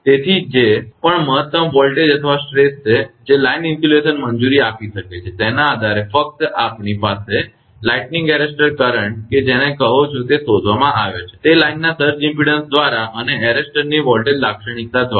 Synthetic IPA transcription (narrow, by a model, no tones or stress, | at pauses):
t̪et̪ʰid͡ʒepəɳməɦət̪ːəmʋɔlʈed͡ʒət̪ʰəʋasʈɾest͡ʃʰed͡ʒelajnɪ̃nfuleʃənməɲd͡ʒuɾiapiʃəket͡ʃʰet̪enaːd̪ʱaɾefək̚t̪əapnipase | laiʈnĩŋɡɛɾesʈəɾkəɾəɳʈ̚ked͡ʒenekəɦot͡ʃʰot̪esod̪ʱʋamãʔaʋet͡ʃʰe̥t̪elainːasəɾd͡ʒĩmpiɽənsd̪ʋaɾaʔəneɛɾesʈəɾniʋɔlʈeɖlakʃəɳ̃ikt̪ːad̪ʋaɾ